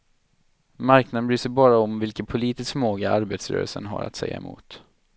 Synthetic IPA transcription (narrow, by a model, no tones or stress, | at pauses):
maɾknad̪ənbɾyːsəɾbɑːɾaɔmvɪlkət̪pʰʊliːt̪ɪskmoːɡaaɾbeːt̪sɾœ̰ːɾə̰lsənɦa̰ɾa̰t̪sɛjːa̰ɛ̰mṵːt̪